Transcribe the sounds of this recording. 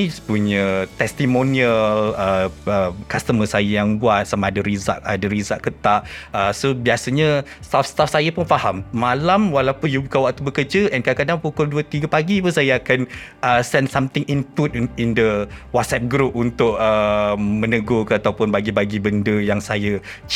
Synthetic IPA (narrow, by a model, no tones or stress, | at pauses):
ispuɲãt̪ɛst̪imoniələəkast̪əməsajajaŋbuat̪̚samaːdəɾiza̰ʔadəɾizaʔkət̪aʔəsobiasəɲa | st̪afst̪afsajəpʊnfahamːalamwalawpʊnjubukanwak̚t̪ubəkərd͡ʒəʔɛnkadakadaŋpukʊlduət̪iɡəpaɡipusajaakan | əsɛnsamt̪ɪŋʔinput̪̚indəwat̪̚sɛp̚ɡɾup̚unt̪ʊʔ̚əmə̃nəɡokat̪awpʊnbaɡibaɡibəndəjaŋsajə